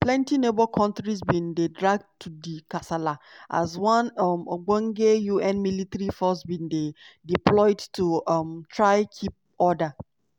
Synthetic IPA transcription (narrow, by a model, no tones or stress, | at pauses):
plɛ̃ntinebɔkʰɔ̃ntɾis̬bĩndedɹaɡ̚dtʰːudikasalaʔa̰zwãnmoɡ͡bɔŋɡejuɛ̃nmilitaɾifɔs̬bĩndediplɔɪdtumtɹaɪkʰip̚ | ɔda